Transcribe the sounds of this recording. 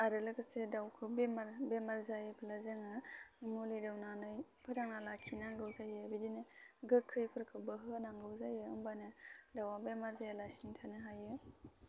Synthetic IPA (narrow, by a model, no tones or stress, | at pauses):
aɾɯlɯkɯsedawkʰɯwbemaɾbemaɾzajɯpʰlazɯŋɯmulijdawnanɯjpʰɯɾaŋnalakʰinaɡɯwzajabidinɯɡɯkʰːɯjpʰɯɾkʰɯbɯɦɯnaŋɡɯwzajɯɯmbanɯdawabemaɾzajalasiŋtʰanɯɦajɯ